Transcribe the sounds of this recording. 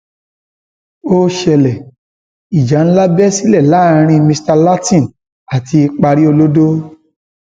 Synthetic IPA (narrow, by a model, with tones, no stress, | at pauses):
o˦ʃɛ˧lɛ˨ | i˨d͡ʒa˨˦ñ̩˦la˦bɛ˦si˦lɛ˦˨la˨˦˨ɾ̃ĩ˧˦mĩ˧sta˧la˦tĩ˦˨ | a˨ti˧i˧k͡pa˧ɾi˦o˧lo˦do˦